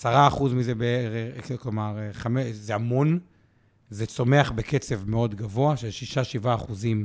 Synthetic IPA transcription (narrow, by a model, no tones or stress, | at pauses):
asaʁaːχuzmizebeeʁeklomaʁχamezehamo̞n | zet͡so̞me̞aχbeket͡se̞vmeo̞dɡavo̞aʃezʃiʃaʃivaːχuzim